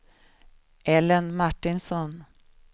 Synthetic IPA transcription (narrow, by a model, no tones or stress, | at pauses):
ʔɛlənmaʈːɪnsɔn